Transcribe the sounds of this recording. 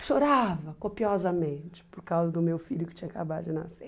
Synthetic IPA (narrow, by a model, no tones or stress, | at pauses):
ʃoɾavɐkopiɔzɐmẽnt͡ʃɪ̥poɾkawzɐd̪ʊmewfiʎʊkɪ̥t͡ʃĩɲɐkabad̪ʊd͡ʒɪnase